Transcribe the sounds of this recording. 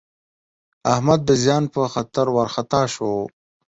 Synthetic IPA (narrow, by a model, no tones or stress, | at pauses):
ahmad̪ːəzjɑːnpəxat̪əɾwaɾxat̪ɑːʃo